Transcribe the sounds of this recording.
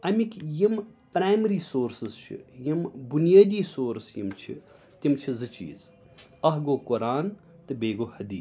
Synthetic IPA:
ɐmʲikʲjimpɾaːjmɾiːsoːɾsɨzt͡ʃʰḭjimbunjaːd̪iːsoːɾsjḭmt͡ʃʰḭ | t̪imt͡ʃʰizɨt͡ʃḭːz | ɐɦɡoːkʊɾaːn | t̪ɨbeːɡoːhɐd̪iː

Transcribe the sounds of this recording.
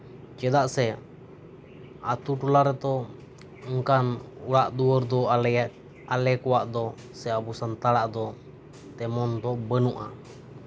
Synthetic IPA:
t͡ʃɛdaʔsɛ | at̪uʈulaɾet̪o | uŋkanulaʔd̪uərd̪ɔ | alɛkuwaʔd̪ɔ | sɛabusant̪alaʔd̪ɔ | t̪ɛmɔnd̪ɔbənuʔa

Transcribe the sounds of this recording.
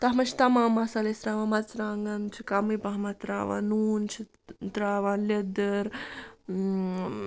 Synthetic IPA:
t̪ɐɦmɐt͡ʃʰi̥t̪ɐmãːmasalesɾaːʋãːmɐt͡sɾaːŋɡɐnt͡ʃʰikamipaɦmɐt̪ɾa̰ːʋã̰ːnuːnt͡ʃʰi | t̪ɾaːʋãːnlɐd̪əɾ

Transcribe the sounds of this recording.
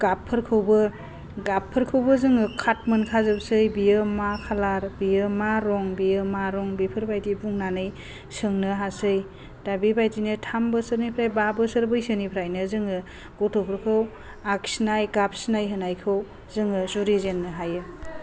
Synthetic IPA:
ɡ̥apʰːɯɾkʰɯwbɯ | ɡapʰːɯɾkʰɯwbɯzɯŋɯkʰat̚mɯnkʰazɯbsɯjbijɯmakʰalaɾbijɯmaɾɔŋbijɯmaɾɔŋbipʰɯɾbajtibuŋnanɯj | sɯŋnɯɦasɯj | d̥abibajtinɯtʰambəsɯɾnipʰɾajbabəsɯɾbɯjsɯnipʰɾajnɯzɯŋɯ | ɡ̥ɔtʰopʰɯɾkʰɯw | ak̚snajɡap̚snajɦɯnajkʰɯw | zɯŋɯzuɾizenːɯɦajɯ

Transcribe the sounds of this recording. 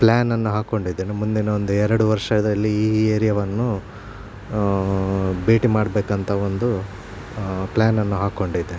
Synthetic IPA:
plaːnɐnːuɦaːko̞ɳɖid̪ːeːnemund̪inɐo̞nd̪uɛɾɐɽuʋɐɾʂɐd̪ɐlːiiːeːɾijɐʋɐnːu | beːʈimaːɽbeːkɐnt̪ʰɐond̪u | plaːnɐnːuɦaːko̞ɳɖid̪e

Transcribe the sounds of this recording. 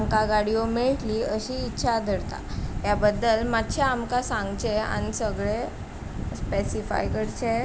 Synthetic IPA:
ŋkaɡaɽiomeɭʈliəɕiːtːɕʰad̪ʱəɾt̪a̰jabəd̪ːəlmat̪ːɕaamkasãŋɡt͡ɕea̰nisəɡɭe | spesifa̰jkəɽt͡ɕe

